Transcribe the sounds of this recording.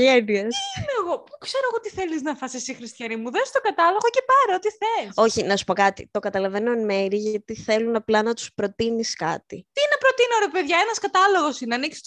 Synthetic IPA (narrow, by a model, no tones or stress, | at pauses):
ʝeniɐsmeɣo̞pukseɾoɣoot̪iθeliznɐfɐsisixɾist̪çɐnimuðest̪oɡɐt̪ɐlo̞ɣocepɐɾeot̪iθeso̞çinɐsu̥po̞kɐt̪ḭt̪o̞kɐt̪ɐlɐve̞nomeɾiʝɐt̪iθe̞lunɐplɐnɐt̪u̥spɾo̞t̪iniskɐ̰t̪it̪inɐpɾo̞t̪inoɾepeðʝɐenɐskɐt̪ɐlo̞ɣo̞sineɐniksi̥s